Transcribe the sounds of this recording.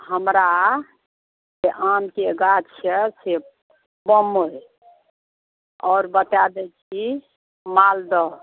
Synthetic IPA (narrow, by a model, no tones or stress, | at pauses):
həmɾa | d͡ʒeʔamkeɡat̪t͡ʃʰəse | bəmoj | ɔːɾbət̪ad̪ɛt͡ʃʰi | mald̪ɔ